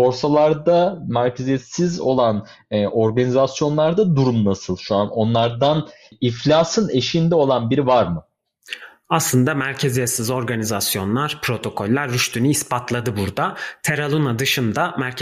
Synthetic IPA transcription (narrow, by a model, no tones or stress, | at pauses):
bo̞ɾsalˠaɾd̪amæɾcʰezijesizo̞̰lˠanː | ʔo̞ɾɡanizasjo̞nlˠaɾd̪ad̪uɾumnasɯlˠʃuano̞nlˠaɾd̪an | iflʲaːsɯne̞ʃind̪ɛo̞lˠanbiɾivaɾmɯ | aslˠɯnd̪amæɾcʰezijesizo̞ɾɡanizasjo̞nlˠaɾ̥pʰɾo̞t̪ʰo̞kʰo̞lʲːæɾːyʃt̪ʰynyispat̪ʰlˠad̪ɯbuɾd̪at̪ʰeɾalˠunad̪ɯʃɯnd̪amæɾc